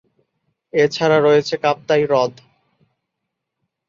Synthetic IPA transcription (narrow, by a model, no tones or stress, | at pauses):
et͡ɕʰaɾaɾoet͡ɕʰekap̚t̪ajɾɔd̪ʱ